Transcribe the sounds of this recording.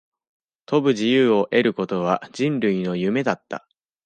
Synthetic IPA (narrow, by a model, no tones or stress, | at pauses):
t̪o̞bɯ̟ʑijɯːo̞ʔe̞ɾɯ̟ko̞t̪o̞β̞aʑĩnɾɯ̟ino̞jɯ̟me̞d̪at̪ːa̰